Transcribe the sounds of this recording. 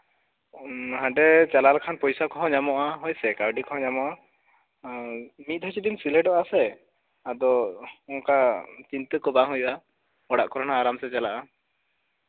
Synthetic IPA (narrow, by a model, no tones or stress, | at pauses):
hãɖɛt͡ʃalalkʰanpɔjsakɔɦɔ̃ɲamɔʔaɦɔjsɛkawɖikɔɦɔ̃ɲamɔʔa | mit̪̚ˀɦɔjt͡ʃidimsilɛɖɔʔasɛ | ad̪ɔɔŋkat͡ʃint̪əkɔbaɦujɔʔa | ɔɽaʔkɔɾɔnaːɾamsɛt͡ʃalaʔa